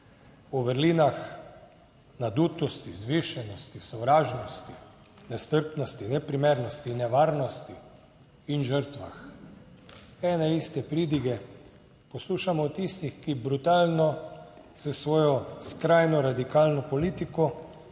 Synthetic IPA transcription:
uʋəɾliːnax | nad̪ut̪ɔst̪izʋiʃɛnɔst̪isɔʋɾaːʒnɔst̪i | nɛst̪əɾpnɔst̪inɛpɾimɛɾnɔst̪inɛʋaːɾnɔst̪iː | nʒəɾt̪ʋax | ɛnɛist̪ɛpɾiːd̪iɡɛ | pɔsluːʃamɔt̪ist̪ixkibɾut̪aːlnɔ | zəsʋɔːjɔskɾajnɔɾad̪ikalnɔpɔliːt̪ikɔ

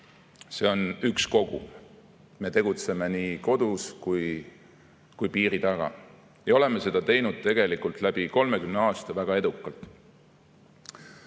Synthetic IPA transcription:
se̞o̞nyksko̞ɡ̥ṵ | me̞t̪e̞ɡ̥ut̪se̞me̞niːko̞d̪uskuj | kujpiːɾit̪ɑɡ̥ɑ̰ | jɑo̞le̞mese̞d̪̥ɑt̪e̞jnud̪̥̚t̪e̞ɡ̥e̞likˑult̪ˑlæb̥iko̞lme̞kymneɑːst̪ɑvæɡ̥ɑe̞d̪ukːˑɑlt̪ˑ

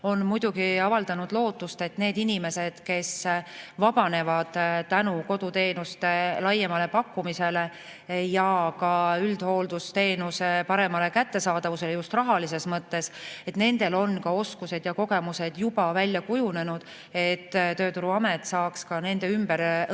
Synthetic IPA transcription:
o̞nmujd̪̥uɡiɑvɑld̪̥ɑnud̪̥lo̞ːt̪ːust̪e̞t̪ne̞ːd̪inʲime̞se̞d̪̥ke̞svɑb̥ɑne̞vɑd̪̥t̪ːænuko̞d̪̥ut̪e̞ːnust̪e̞lɑjːemɑle̞pɑkːumise̞le̞ | jɑkɑyld̪̥ho̞ːld̪̥ust̪e̞ːnuse̞pɑɾe̞mɑle̞kæt̪ːe̞sɑːd̪̥ɑvuse̞lejust̪rɑɦɑlise̞smɤt̪ːe̞se̞t̪ne̞nd̪̥e̞lo̞nkɑo̞skuse̞d̪̥jɑko̞ɡ̥e̞muse̞d̪̥jub̥ɑvælʲjɑkujune̞nud̪̥ | e̞t̪ːt̪ø̞ːt̪uɾuɑmet̪ːˑsɑːkskɑne̞nd̪e̞ymb̥eɾ

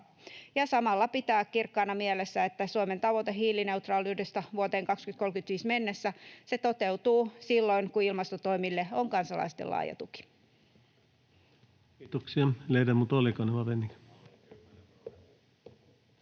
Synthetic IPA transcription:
jɑsɑmɑlːɑpit̪æːkkirkːɑːnɑmielesːæet̪ːæsuoment̪ɑʋot̪eɦiːline̞ut̪rɑːlːyhdest̪ɑʋuot̪eːŋkɑkskynt̪kolkyt̪ʋiːsme̞nːesːæse̞t̪o̞t̪e̞ut̪uːsilːo̞iŋkuilmɑst̪ot̪o̞imilːeoŋkɑnsɑlɑ̰ist̪ḛlːɑ̰ːjɑ̰t̪uki̥ | t̪oksiɑleidæmut̪olikoneʋɑʋenːik

